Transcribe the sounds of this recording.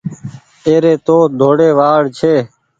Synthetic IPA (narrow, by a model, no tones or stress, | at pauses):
eːɾeːt̪oːd̪ʱoːɽeːʋaːɽt͡ʃʰeː